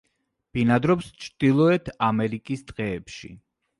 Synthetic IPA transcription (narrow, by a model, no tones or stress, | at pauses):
b̥inad̪ɾɔpst͡ʃʰɾd̪̥ilˠɔɛt̪ʰamɛɾikʼist̪ʼqʼɛːpʃḭ